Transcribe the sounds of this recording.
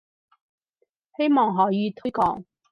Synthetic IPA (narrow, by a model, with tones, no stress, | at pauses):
he˥jmɔː˨˩ŋɦɔː˨˥jiː˨˧t̪ʰɵ˥jkɔ̰ː˨˥ŋ